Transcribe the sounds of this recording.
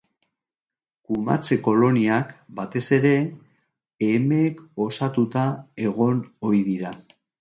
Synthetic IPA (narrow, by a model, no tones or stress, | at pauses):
kuma̰t͡se̞ko̞lo̞niakbat̪e̞se̞ɾe̞ː | meːko̞sat̪ut̪ae̞ɣo̞no̞ɾiðiɾa